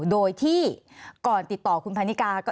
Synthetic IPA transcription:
doː˧jt̪ʰiː˥˩kɔː˨˩nt̪i˨˩t̪ːɔː˨˩kʰu˧npʰaː˧ni˦˥kaː˧kɔː˥˩

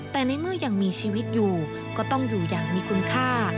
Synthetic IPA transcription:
t̪ɛː˨˩na˧jmɯ˥˩əjaː˨˩ŋmiː˧t͡ɕʰiː˧wi˦˥t̪̚juː˨˩ | kɔː˥˩t̪ɔ˥˩ŋjuː˨˩jaː˨˩k̚miː˧kʰu˧nkʰaː˥˩

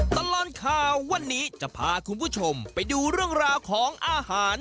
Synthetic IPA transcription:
t̪a˧laː˧nkʰaː˧˩wːa˧nːiː˦˥t͡ɕa˨˩pʰaː˧kʰu˧npʰuː˥˩t͡ɕʰo˧mpa˧jduː˧ɾɯ˥˩əŋɾaː˧wkʰɔː˨˩˦ŋʔaː˧haː˩˦n

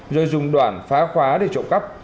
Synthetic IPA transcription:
zoː˧jzʊ˨˩ŋ͡mɗwaː˧˩nfaː˨˦xwaː˨˦ɗe˧˩t͡ɕo̰˧˨ŋ͡mkə˦˥p̚

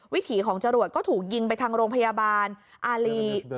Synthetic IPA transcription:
wi˦˥t̪ʰiː˩˦kʰɔː˩˦ŋt͡ɕa˧ɾu˨˩ət̪̚kɔː˥˩t̪ʰuː˨˩k̚ji˧ŋp̬a˧jt̪ʰaː˧ŋɾoː˧ŋpʰa˧jaː˧baː˧nʔaː˧liː˧

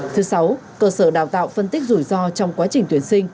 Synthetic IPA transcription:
t̪ʰɨ˨˦sa˨˦wkəː˧səː˧˩ɗaː˧˩wt̪a̰ː˧˨wfə˧nt̪i˦˥k̟̚zu˧˩jzɔ˧t͡ɕɔ˧wŋ͡mkwaː˨˦t͡ɕï˨˩ŋ̟t̪wi˨˩ənsï˧ŋ̟

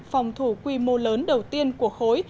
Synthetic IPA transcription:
fa˨˩wŋ͡mt̪ʰu˧˩kwi˧mo˧ləː˨˦nɗə˨˩wt̪i˧ənku˧˩əxo˨˦j

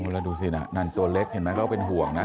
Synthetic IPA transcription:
ko˧la˧˩duː˧si˧˩na̰˨˩na˧˩nt̪u˧ɐle˦˥k̚he˨˩˦nmɛː˦˥kʰa˥˩pe˧nɦu˨˩˦əŋna˦˥

